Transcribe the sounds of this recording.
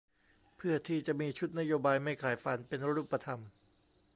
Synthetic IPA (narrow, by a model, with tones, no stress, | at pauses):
pʰɯ˥˩ɐt̪ʰiː˥˩t͡ɕa˨˩ʔmiː˧t͡ɕʰu˦˥t̪̚na˦˥joː˧baː˧jma˥˩jkʰaː˩˦jfa˧npe˧n˦ɾuː˥˩pːa˧t̪ʰa˧m